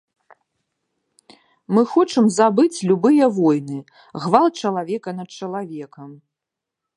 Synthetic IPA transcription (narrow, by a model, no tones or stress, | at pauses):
mɨxɔt͡ʂɨmzabɨt͡sʲlʲubɨjɐvɔjnɨ | ɣvalˠt͡ʂɐlˠavʲɛkɐnɐt̪̚t͡ʂɐlˠavʲɛkɐm